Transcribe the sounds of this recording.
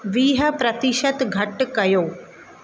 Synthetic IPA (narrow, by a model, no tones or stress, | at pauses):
ʋiːɦə̆pɾɐt̪ɪʃət̪ɡʱɐʈkɐjoː